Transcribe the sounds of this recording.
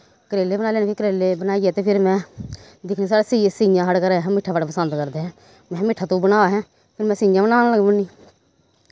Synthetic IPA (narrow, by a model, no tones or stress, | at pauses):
kəɾeːleːbənaːleːnẽɪkəɾeːleːbənaːiːɛːt̪eːpʰɪɾmɛ̃ː | d̪ɪkʰneːsaːɽeːsiesĩːjãːɦəɽkəɾeːɦɛ̃ːmɪʈʰːaːbaɽpəsənd̪kəɾd̪eːɦɛ̃ː | mɛ̃ːmɪʈʰaːt̪õːbənaːaɦɛ̃ː | pʰɪɾmɛ̃ːsĩːjãːbənaːñːləɡbəniː